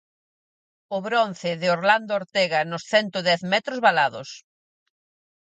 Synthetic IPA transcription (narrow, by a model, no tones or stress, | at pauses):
ʊβɾon̟θɪðɪoɾland̪ooɾt̪ɛɣɐnʊsθɛnt̪oðɛθmɛt̪ɾozβalaðʊ̰s